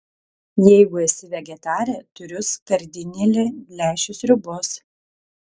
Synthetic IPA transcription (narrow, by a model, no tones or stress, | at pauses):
jɛɪɡʊɛsʲɪʋʲɛɡʲɛt̪ɑːɾʲɛt̪ʊɾʲʊskɐɾʲd̪ʲɪnʲɪlʲɪlʲæːʃʲʊsɾʲʊbʊs